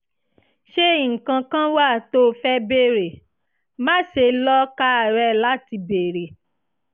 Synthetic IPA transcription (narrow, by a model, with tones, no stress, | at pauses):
ʃe˦˨ŋ̩˨kã˧kã˦wa˦˨to˦fɛ˦be˦˨ɾe˨ | mã˦ʃe˧lɔ˦ka˦˨ɾɛ˧la˦ti˧be˨ɾe˨